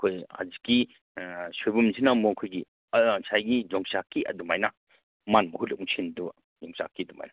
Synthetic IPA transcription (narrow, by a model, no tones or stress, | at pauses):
kʰoja̰ziki | sojbumzinamɔkʰojɡi | sʰajɡid͡ʒɔŋsakːiʔɐ̰dumajna | manmɐɦutlɔk̚uŋsʰindu | d͡ʒɔŋsa̰kːiduma̰jna